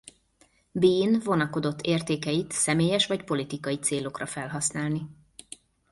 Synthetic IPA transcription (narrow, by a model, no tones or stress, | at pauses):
biːnvo̞nɒko̞d̪o̞t̪ːeːrt̪eːkɛjit̪sɛmeːjɛʃʋɒcpo̞lit̪ikɒjit̪seːlo̞krɒfɛlɦɒsnaːlni